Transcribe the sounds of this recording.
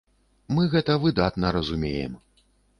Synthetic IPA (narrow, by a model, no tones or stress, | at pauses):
mɨɣɛt̪ɐvɨd̪at̪nɐɾɐzumʲejɛ̰m